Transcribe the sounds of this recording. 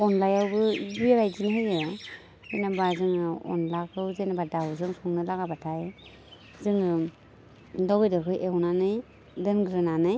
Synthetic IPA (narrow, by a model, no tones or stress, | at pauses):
ɔnlajawbɯbiɾajd͡ʒinɦɯjɯ | ɯnabazɯŋɔ̰nlakʰɯwzenabadawzɯŋsuŋnɯlaɡabatʰaj | zɯŋɯ | dɔbɯjdɔɾkʰɯjewnanɯj | dɯnɡɾɯnanɯj